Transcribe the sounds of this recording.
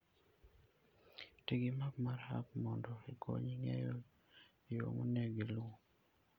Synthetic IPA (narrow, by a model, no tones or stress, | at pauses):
tiɡɪmapmaɾa̰p̚mɔndɔeko̰ɲiŋɛ̰jɔ | iwo̰munɛɡilo